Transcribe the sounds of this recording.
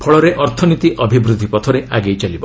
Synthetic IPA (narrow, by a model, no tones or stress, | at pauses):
pʰɔɭɔɾeʔɔɾt̪ʰɔnit̪iʔɔbʱibɾud̪ʱːipɔt̪ʰɔɾeʔaɡejt͡ʃalibɔ